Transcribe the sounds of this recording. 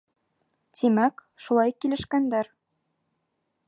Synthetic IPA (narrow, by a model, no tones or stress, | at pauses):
t̪imæk | ʃulˠɑjkilɘ̆ʃkænd̪æɾ